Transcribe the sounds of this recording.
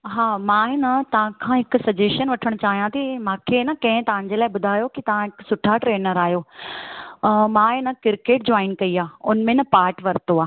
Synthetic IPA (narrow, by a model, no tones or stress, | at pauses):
ɦaːmãːɦɪnɐt̪ɐʋ̤ãkʰãɦɪkʊ̆sɐd͡ʑeːʃənʋɐʈʰəɽ̃t͡ɕaːɦijãt̪imãːkʰeːnɐkɐ̃ɦɪ̃t̪ɐʋ̤ãɲ̆d͡ʑeːlaːɪbʊd̪ʱaːjokit̪ɐʋ̤ãɪksʊʈʰaʈɾeːnəɾaːɦjoː | mãːɪnɐkɪɾkeːʈ̚d͡ʑɔːɪnkɐiaːʊnmẽnɐpaːɾʈʋɐɾt̪oaː